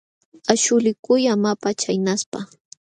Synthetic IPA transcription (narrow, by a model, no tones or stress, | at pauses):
aʃʊlɪkʊjamapat͡ʃajnaspa